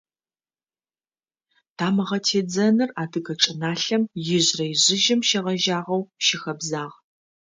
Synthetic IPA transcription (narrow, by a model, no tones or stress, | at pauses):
tʰaːmɨʁɐtʰeːd͡zɐnɨraːdɨɡɐʈ͡ʂʼɪnaːɬɐmjɪʑrɐjʑɪʒɪmʃɐʁɐʒaːʁɐwʃɪxɐbzaːʁ